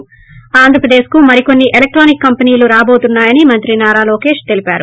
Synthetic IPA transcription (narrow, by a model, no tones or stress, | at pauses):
aːnd̪ʱɾɐpɾɐd̪e̞ːskumɐɾiko̞nːiʔelek̚ʈɾoːnikːɐmpɐniːluɾaːbo̞ːt̪unːaːjɐnimɐnt̪ɾinaːɾaːlo̞ːke̞ːʂt̪elipaːɾu